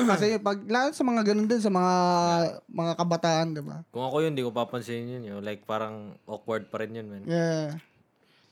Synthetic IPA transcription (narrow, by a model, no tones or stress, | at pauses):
kɐsɛpɐɡ̚laːlsɐmɐŋaɡɐnond̪ons̬ɐmɐŋa | mɐŋakɐbɐt̪aːʔɐnd̪ɪba̰kʊŋɐkojʊnd̪ikopapɐnsɪɪnjʊnjolajk̚paːɾɐŋʔok̚wɐɹd̪̚pɐɾɪnjʊnmɐnja